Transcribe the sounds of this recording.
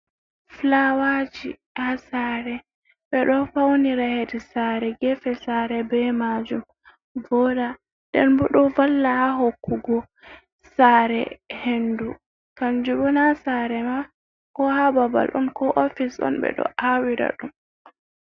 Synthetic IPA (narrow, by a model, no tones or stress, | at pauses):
flawad͡ʒi | hasaɾɛ | ɓɛɗɔfawniɾahedɛsaɾɛɡɛfɛsaɾɛbɛmad͡ʒum | vɔɗa | dɛ̰nbɔɗɔvalːahaɦokːuɡɔ | saɾɛ̰hendu | kamd͡ʒubɔnasaɾɛma | kɔhababa̰lʔɔnkɔʔofisɔ̰nɓɛ̰ɗɔ̰ʔawiɾa̰ɗum